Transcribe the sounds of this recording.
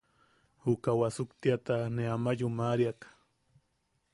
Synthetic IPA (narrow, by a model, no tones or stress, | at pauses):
hʊkawasʊkt̪jat̪aneamaʎʊmaɾjakḁ